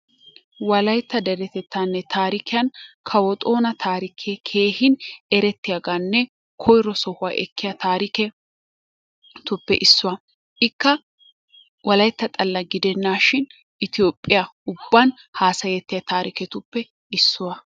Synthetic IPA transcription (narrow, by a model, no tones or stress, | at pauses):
wɐlɐjt̪ːɐd̪ɛɾɛt̪ɛt̪ːaːnːɛt̪ʰaːɾɪkʰɪjɐnkʰɐwɔt̪ʼo̞ːnɐt̪ʰaːɾɪkʰekʰe̞ːhɪnɛɾɛt̪ːɪjaɡanːɛ | kʰɔjɾɔsɔhʊwaːʔɛkʰːɪjɐt̪aːɾɪkɛ | t̪ʊpːɛʔɪsːʊwɐ | ʔɪkːɐ | wɐlɐjt̪ːɐt̪ʼɐlːɐɡɪd̪ɛnːaːʃɪn | ʔɪt̪ɪjoːpʼːɪjaʊbːɐn | haːsɐjɛt̪ːɪjɐt̪aːɾɪkɛt̪ʊpːɛ | ɪsːʊwɐ